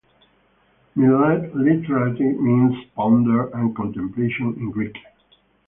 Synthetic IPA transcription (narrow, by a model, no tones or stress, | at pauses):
miladlɪtəɹətimĩnspɔ̃ndəɹæ̃nkɔ̃ntɛ̃mpleʃə̃nɪ̃nɡɹik